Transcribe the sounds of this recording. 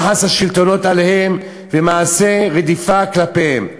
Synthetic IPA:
ħasaʃilt̪o̞no̞t̪ale̞he̞m | vemaʕase̞ʁed̪ifaklapehem

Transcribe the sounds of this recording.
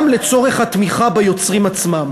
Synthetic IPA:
mle̞t͡so̞ʁeχhat̪miχabajo̞t͡sʁimat͡smam

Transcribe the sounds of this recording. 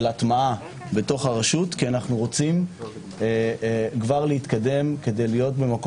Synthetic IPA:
latmaa | be̞to̞χaʁaʃutkianaχnuʁo̞t͡sim | kvaʁlehit̪kade̞mke̞de̞jlijo̞tbe̞mak

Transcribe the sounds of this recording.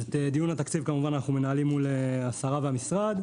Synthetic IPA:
et̪ed̪ijunhat̪akt͡sivkamuvananaχnume̞naːlimːuleasaʁaveamisʁad̪

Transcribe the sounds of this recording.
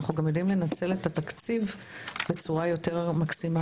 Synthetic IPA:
χuɡamjodimle̞nat͡se̞letatakt͡siv | be̞t͡suʁajo̞te̞ʁmaksima

